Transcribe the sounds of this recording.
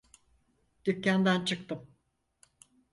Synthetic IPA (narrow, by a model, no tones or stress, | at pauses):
d̪̥ycːand̪ænt͡ʃʰɯk̚t̪ɯm